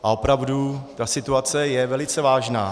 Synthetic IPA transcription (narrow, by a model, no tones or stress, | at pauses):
ʔaopɾavdut̪asɪt̪uat͡sɛjɛvɛlɪt͡sɛvaːʒnaː